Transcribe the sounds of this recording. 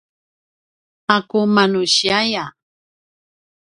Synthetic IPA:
akumanuɕiaja

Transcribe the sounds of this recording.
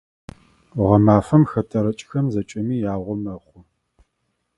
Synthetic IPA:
ʁɐmaːfɐmxɐtʰɐɾɐt͡ʃʼxɐmzɐt͡ʃʼɐmiːjaːʁʷɔmɐχʷʊ

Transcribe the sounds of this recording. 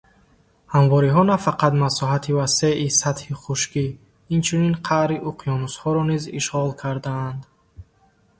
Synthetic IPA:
hamvɔɾiɦɔnafaqad̪masɔɦat̪ʰivase̞ʔisat̪hiχuʃkiː | nt͡ʃʰuninqʰaʔɾiʔuqʰijɔnushɔɾɔniziʃʁɔlkʰaɾd̪aːnd̪

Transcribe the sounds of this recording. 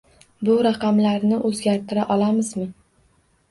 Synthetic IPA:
bʊɾaqʰɑmlaɾnɪʔɵzɡʲaɾt̪ʰɪɾaʔɒlamɪzmɪ

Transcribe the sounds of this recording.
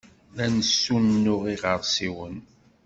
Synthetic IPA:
lænəsːunːʊʁiʁəɾˤsiwən

